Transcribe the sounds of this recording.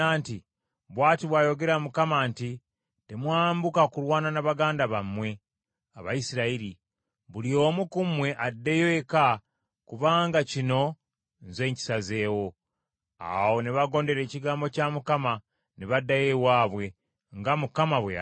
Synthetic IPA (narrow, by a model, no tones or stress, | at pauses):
aːnti | βwaːtiβwaːjo̞ɡe̞ɾamukamaːnti | temwaːmbukakuɾwaːnanaβaɡaːndaβamwe̞ | aβa̰isiɾaiɾi | βulio̞ːmukumwe̞ʔadːe̞joːka | kuβaːŋɡacino̞ | nze̞ːɲci̥saze̞ːwo̞ | a̰wo̞neβaɡo̞ːnde̞ɾe̞ːciɡaːmbo̞camukama | neβadːaje̞waːβwe̞ | ŋɡamukamaβwḛa̰